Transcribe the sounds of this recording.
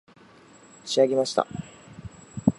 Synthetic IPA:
ɕiaɡe̞maɕi̥t̪a̰

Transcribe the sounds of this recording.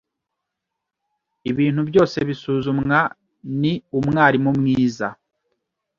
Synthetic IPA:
iβiːn̥hubjo̞ːse̞βisuːzumŋa | niumŋaːɾimumŋiːza

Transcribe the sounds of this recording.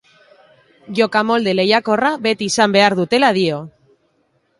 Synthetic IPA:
ʝo̞kamo̞ld̪elejako̞raβe̞t̪isambe̞aɾðut̪e̞lað̞io

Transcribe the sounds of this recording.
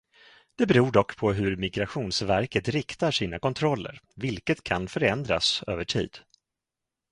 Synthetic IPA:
d̪̥ɛbɛɾuːɖɔkːpʰɔɦɵɾmɪɡɾaɧuːnsvæɾkət̪ɾɪkt̪aʂiːnakɔnt̪ʰɾɔlːə̰ɾvɪlkət̪kʰanfœɾɛnd̪ɾa̰sø̰ːvəʈʰḭːd̪̥

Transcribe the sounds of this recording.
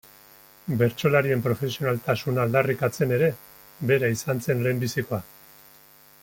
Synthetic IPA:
be̞ɾt͡so̞laɾie̞mpɾo̞fe̞sio̞nalt̪asunaːld̪arikat͡se̞ne̞ɾe̞ | be̞ɾaisant͡se̞nle̞mbisiko̞a

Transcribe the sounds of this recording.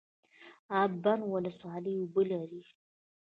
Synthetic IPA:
abanwalaswaləjubəlaɾi

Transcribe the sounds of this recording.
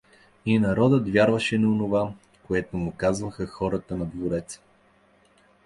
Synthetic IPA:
inɐɾɔd̪ət̪vʲjaɾvɐʃɛnɐonova | koɛt̪omʊkazvɐxəxɔɾɐt̪ənɐd̪voɾɛt̪s

